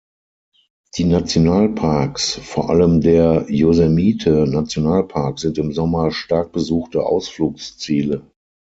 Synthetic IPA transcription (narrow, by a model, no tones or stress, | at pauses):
d̥iːnat͡sjonaːlpʰaɐksfoːɐʔa̰ləmdeːɐjozɛmiːtʰənat͡sjonaːlpʰaɐkz̥ɪntɪmzɔmɐʃtaɐk̚b̥əzuːxtəʔa̰ʊsfluːkst͡siːlə